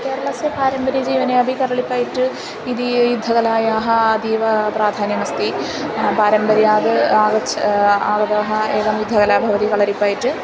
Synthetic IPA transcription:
ke̞ːɾɐɭɐsepaːɾɐmbɐɾijɐd͡ʑiːʋɐneɐbʱikɐɾɐɭipːaːjiʈːɨ | iðijud̪ʱːɐɣɐlaːjaːɦɐːd̪iːʋɐpraːd̪ʱaːnjɐmɐst̪i | paːɾɐmbɐɾjaːðɨaːɡɐt͡ɕʰːɐaːɡɐðaːɦɐeːkɐmjud̪ʱːɐɣɐlaːbʱɐʋɐd̪ikɐɭɐɾipːaːjiʈːɨ

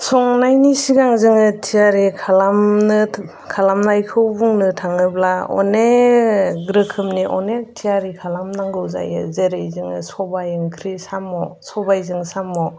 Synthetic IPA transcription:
sɔŋnajnisiɡaŋzɯŋɯtʰijaɾikʰalamnɯ | kʰalamnajkʰɯwbuŋnɯtʰaŋɯblaɔ̰ne | ɡɾɯkʰɯmniʔɔ̰netʰijaɾikʰalamnaŋɡɯwza̰jɯ̰zeɾɯjzɯŋɯ̰sɔbajɯŋkʰɾisamːɔsɔbajzɯŋsamːɔ

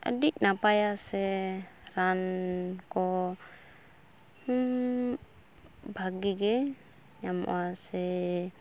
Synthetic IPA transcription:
a̰diʔ̚napajasɛɾankɔ | bʱaɡiɡɛ | ɲamɔ̰asɛ

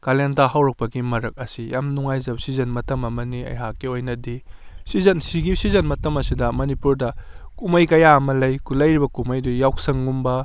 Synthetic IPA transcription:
kalentaɦawɾɐk̚pɐɡimɐɾɐk̚ɐsijamnuŋajzɐp̚sizɐnmɐtɐmɐmɐniɐ̰jɦakːiojnɐdisizɐnsiɡisizɐnmɐtɐmɐsidɐmɐnipuɾdɐkumɐjkɐjaɐmɐlɐjkulɐjɾibɐkumɐjdujawksɐŋːumbɐ

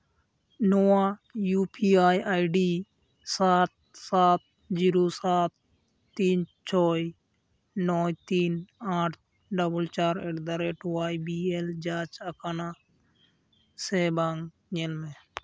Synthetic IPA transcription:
noaːjuːpʰiːaːjaːjɖiː | saːt̪̚saːt̪̚ | d͡ʒiːɾoːsaːt̪̚ː | iːnt͡ʃʰɔːi | nɔːjt̪iːnaːʈʰ | ɖəbəlt͡ʃaːɾeʈd̪əɾeːʈowaːibiːeld͡ʒaːt͡ʃəkaːnaː | seːbaŋ | ɲelmẽ

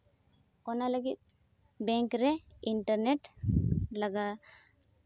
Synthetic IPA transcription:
ɔnaləɡit̪̚ | bɛŋkɾɛiɳʈəɾneʈ | laɡa

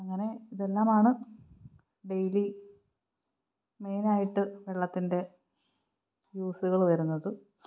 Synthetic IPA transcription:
ɐŋːɐne̞iðe̞lːaːmaːɳɨ | ɖe̞jli | me̞jnaːjiʈːɨʋeɭːɐt̪ːinde̞ | juːsuɣɐɭʋɐɾunːɐðɨ

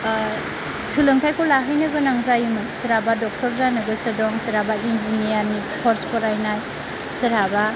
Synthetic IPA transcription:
sɯlɯŋtʰajkɔlaɦɯjnɯɡɯnaŋzajɯmɯsiɾabadɔk̚tɔɾzanɯɡɯsɯdɔŋsiɾabainzinijani | pʰɔɾskʰɔɾajnaj | siɾaba

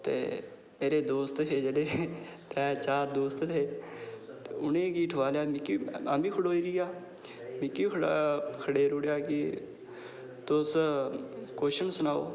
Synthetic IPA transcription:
t̪ḛː | meːɾeːd̪oːst̪ɦeːd͡ʒeːɽeːt̪ɛːt͡ʃaːɾd̪oːst̪eː | t̪eʊnẽːkiːʈʰʋaːljaːmɪkiːaːmĩːkʰəɽoːiːɾɪjaː | mɪkːiːkʰɽaːkʰəɽeːɾʊɽjaːkɪ | t̪ʊs | koːʃənsənaːo̰ː

